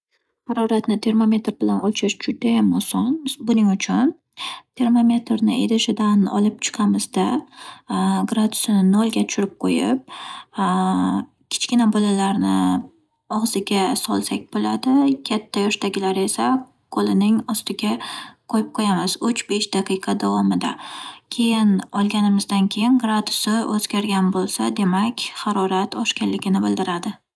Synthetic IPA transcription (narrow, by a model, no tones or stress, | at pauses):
haɾɒɾat̪nɪt̪ʰe̞ɾmome̞t̪ɾbɪlanɒt͡ʃʰɪʃd͡ʒʊd̪ajamɒsɒnbʊnɪŋʊt͡ʃʰʊn | t̪ʰe̞ɾmomʲe̞t̪ɾnɪ̰ʔeɾɪʃɪd̪anɒ̰lɪp̚t͡ʃʰɨ̥qʰɑmɪzd̪a | ɡɾad̪ʊsɪnɪnolˠɡʲat͡ʃt͡ʃʰʊɾɪp̚qʰojɪp̚ | kʲʰɪ̥t͡ʃkʲɪnabɒlalaɾnɪ̰ | ɒʁzɪɡʲasɒlˠsakʲbolad̪ɪkʲʰat̪ʰːajɒʃt̪aɡʲɪlaɾe̞sa | qʰolɪnɪŋɒst̪ɪɡʲaqʰojɪp̚qʰojamazʊt͡ʃbe̞ʃd̪̥aqʰɨjqʰɑd̪avɒmɪd̪akʲʰe̞jɪnɒlˠɡʲanɪmɪzd̪ankʲʰe̞jɪnɡɾad̪ʊsɪʔɵz̥ɡʲaɾɡʲanbolˠsad̪e̞makʲhɑɾɒɾat̪ʰɒʃkʲanlɪɡʲɪnɪbɪlˠd̪ɪɾad̪ɪ